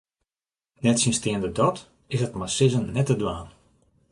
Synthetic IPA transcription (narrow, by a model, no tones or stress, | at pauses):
nɛtsinstɪəndədɔt | ɪsətmasɪzənnɛtədwaːn